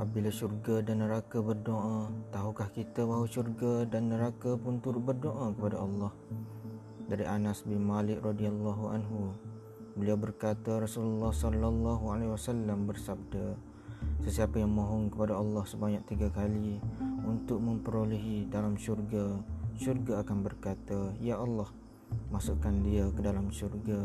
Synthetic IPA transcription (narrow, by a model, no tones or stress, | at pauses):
ap̚bilaʃurɡadanːəɾakabərdoʔat̪aɦukahkit̪abaɦwaʃurɡadanːəɾakapʊnt̪uɾʊt̪̚bərdoʔakəpadaʔɑlːɑh | daɾiʔanasbɪnmalɪk̚rɔdialːɑɦuʔa̰nɦu | bəliawbərkat̪aɾɔsuləlːɑhsɔlalːɑɦualeiwasalːambərsab̚da | səsiapajaŋmõɦɔŋkəpadaɑlːɑhsəbaɲak̚t̪iɡakaliunt̪ʊk̚mə̃mpəɾoliɦidalamʃurɡaʃurɡaːkanbərkat̪ajaʔɑlːɑh | masuʔkandiakədalamʃurɡa